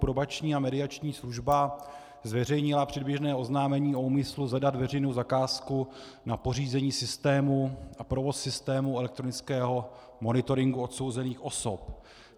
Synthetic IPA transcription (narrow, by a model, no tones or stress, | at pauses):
pɾobat͡ʃɲiːamɛdɪat͡ʃɲiːsluʒba | zvɛrɛjɲɪlapr̝̥ɛdbjɛʒnɛːʔo̞znaːmɛɲiːo̞uːmɪsluzadat̪vɛrɛjnowzakaːsku | napo̞riːzɛɲiːsɪst̪ɛːmuʔapɾo̞vo̞sːɪst̪ɛːmuɛlɛkt̪ɾo̞nɪt͡skɛːɦo̞ | mo̞nɪt̪o̞ɾɪŋɡuo̞t̪so̞wzɛniːxʔo̞so̞p